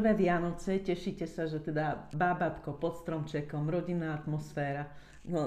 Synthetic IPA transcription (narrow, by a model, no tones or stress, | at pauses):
ʋɛːʋɪanɔt͡sɛcɛʃiːcɛsaʒɛt̪ɛd̪ababat̪kɔpɔt̪st̪ɾɔmt͡ʃɛkɔmɾɔɟinːaːat̪mɔsfɛːɾa | nɔ